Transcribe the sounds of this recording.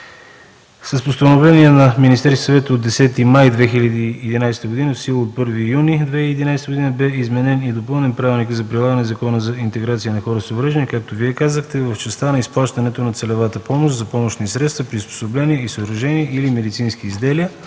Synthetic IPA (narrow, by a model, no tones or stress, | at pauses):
səspost̪ɐnovlɛniɛnɐminist̪ɛɾskʲisɐvɛt̪əod̪ːɛsɛt̪imajd̪vɛxilʲəd̪iːd̪inajst̪əɡod̪inəfsilˠot̪̚pɤɾvijunid̪vɛiːd̪inajst̪əɡod̪inəbɛizmɛnɛnid̪opɤlˠnɛnpɾavilˠnikəzɐpɾilˠaɡənɛzɐkɔnəzɐint̪ɛɡɾat̪sijənɐxɔɾəsovɾəʒənikak̚t̪oviɛkazəxt̪ɛvəft͡ʃɛst̪anɐisplˠaʃt̪ənɛt̪onɐt̪sɛlɛvat̪əpɔmoʃt̪zɐpɔmoʃnisɾɛt̪st̪vəpɾispo̥soblɛniɛisəɾɐʒɛniɛʔilimɛd̪it̪sinskiːzd̪ɛliə